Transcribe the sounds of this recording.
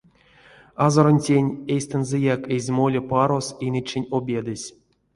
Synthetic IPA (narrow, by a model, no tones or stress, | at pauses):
azoɾonʲtʲenʲejsʲt̪ɨnzɛjakezʲmolʲepaɾo̞sinʲɨt͡ʃːenʲobʲed̪ɨsʲ